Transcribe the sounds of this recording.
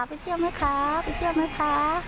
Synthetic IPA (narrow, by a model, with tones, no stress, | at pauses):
pa˧˨jt̪ʰi˥˩əwna˦˥jkʰa˦˥pa˧jt̪ʰi˥˩əwna˦˥jkʰa˦˥